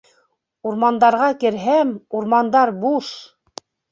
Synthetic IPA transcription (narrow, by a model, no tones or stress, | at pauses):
uɾmɑnd̪ɑɾʁɑkɘ̆ɾɦæmuɾmɑnd̪ɑɾbuʃ